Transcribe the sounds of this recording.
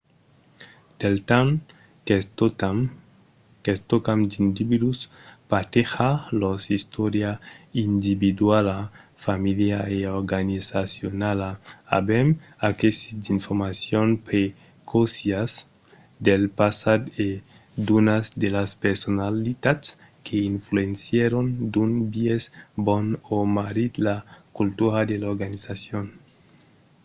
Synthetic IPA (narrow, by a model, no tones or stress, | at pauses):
d̪̥elt̪am | kest̪okamd̪ind̪ibid̪uspat̪exalosist̪ɔɾjaind̪ibid̪walafamiljaeoɾɡanizasjonalaa̰bemakesid̪iɱfoɾmasjonpɾe | kʰosjas | d̪elpasad̪e | d̪unazd̪elaspeɾsonalit̪at̪s | kʰeinfluensjeɾond̪unbiezbonomaɾid̪lakult̪uɾad̪elaoɾɡanizasjon